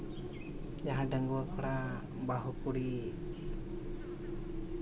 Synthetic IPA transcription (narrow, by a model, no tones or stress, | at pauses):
d͡ʒaɦãɖəŋɡuakʰɔɽa | baɦukuɽi